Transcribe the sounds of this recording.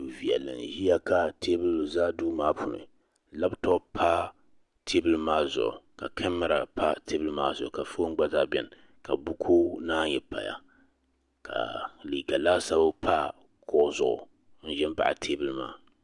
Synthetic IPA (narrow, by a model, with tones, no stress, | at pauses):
u˨vi˨ɛ̰˨lɨ̰˨n˨hi˦ja˦ka˨tʰe˦bɨ˦lzaː˦duː˦maː˦pu˨nɨ̰˨ | la˦btɔ˦pʰa˦ | tʰe˦bɨ˦lmaː˦zʊ̰˨ʔʊ̰˨ka˨kʰɛ˦mːa˦ɾa̰˨pa˦tʰe˦bɨ˦lmaː˦zʊ˨ʊ˨ka˨fo˦ŋ˦ɡ͡ba˦zaː˦bɛ̰˨n | ka˨bu˦kʰo˦naː˦jɛ˨pa̰˨ja̰˨ | ka̰˨li˨ɡa˨laː˦sa˦ba˦pʰa˦ | kɔ˦zʊ˨ʔʊ̰˨ | n̩˦ʒɛ˦n˦ba̰˦˨ʔa̰˨tʰe˦bɨ˦˨lma̰ː˦